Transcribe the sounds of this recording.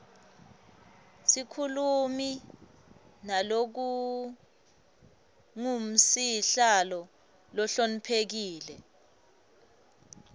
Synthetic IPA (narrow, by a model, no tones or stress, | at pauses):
sikʰulumi | nalok̬u | ŋum̩siɬalɔ | lɔɬonipʰek̬iːlɛ